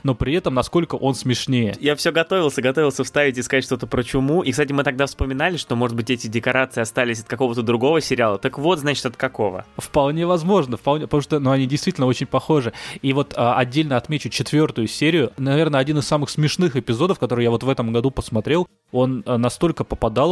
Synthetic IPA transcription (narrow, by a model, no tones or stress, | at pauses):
no̞pɾʲɪɛt̪əmnɐsko̞lʲkəʔo̞nsmʲɪʂnʲejəjafsʲɵɡɐt̪o̞vʲɪlˠsʲəɡɐt̪o̞vʲɪlˠsʲəfst̪avʲɪtʲɪskɐatʲʂt̪o̞t̪əpɾət͡ɕʊmuʔikst̪atʲɪmɨt̪ɐɡ̚d̪afspəmʲɪnalʲɪʂt̪o̞mo̞ʐɨd̪̚bɨtʲɛtʲɪdʲɪkɐɾat̪sɨɪɐst̪alʲɪs̬ʲɐt̪̚kɐko̞vət̪əd̪ɾʊɡo̞vəsʲɪɾʲɪalˠət̪əkvo̞t̪znat͡ɕɪ̥t̪ɐt̪̚kɐko̞və̰fpɐlˠnʲe̞vɐzmo̞ʐnəfpɐlˠnʲepət̪muʂt̪ənuɐnʲidʲɪjst̪ʲitʲlʲnəo̞t͡ɕɪnʲpɐxo̞ʐɨivo̞t̪ʰəɐdʲːelʲnəɐt̪mʲet͡ɕʊt͡ɕɪt̪vʲo̞rt̪ʊjʊsʲeɾʲɪjʊnɐvʲe̞rnəɐdʲinɨssamɨxsmʲɪʂnɨxɪpʲɪzo̞d̪əfkɐt̪o̞ɾɨjavo̞t̪vɛt̪əmɡɐd̪upəsmɐt̪ɾʲe̞lˠ | o̞nənːɐst̪o̞lʲkəpəpɐd̪ɑlˠ